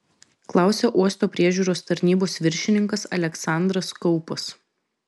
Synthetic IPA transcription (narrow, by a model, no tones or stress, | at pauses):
klˠɑˑʊsʲɛʔuɔst̪oːpʲɾʲiɛʒʲuːɾoːst̪ɐɾʲnʲiːboːsʋʲɪɾʲʃʲɪnʲɪŋkɐsɐlʲɛksɑˑnd̪ɾɐskɔʊpɐs